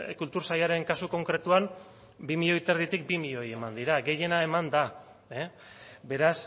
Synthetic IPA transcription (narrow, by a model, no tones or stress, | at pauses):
kult̪uɾsajaɾe̞ŋkasuko̞ŋkɾe̞t̪uan | bimiʎo̞it̪erðit̪ik̚bimiʎo̞je̞mand̪iɾaɡe̞je̞nae̞mand̪a | e | be̞ɾas